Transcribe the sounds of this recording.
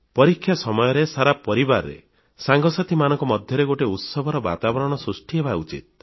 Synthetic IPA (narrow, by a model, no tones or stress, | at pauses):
pɔɾikʰːjasɔmɔjɔɾesaɾapɔɾibaɾːḛ | saŋɡɔsat̪ʰimanɔŋkɔmɔd̪ʱjɔɾeɡoʈeut̪sɔbʱɔɾɔba̰t̪abɔɾɔɽ̃ɔsɾusʈiɦebaut͡ʃḭt̪̚